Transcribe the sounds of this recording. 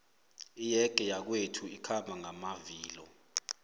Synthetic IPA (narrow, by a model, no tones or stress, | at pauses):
ijɛɡ̥ʱʼɛjak̬wetʰuikʰambʱaŋamaviːlɔ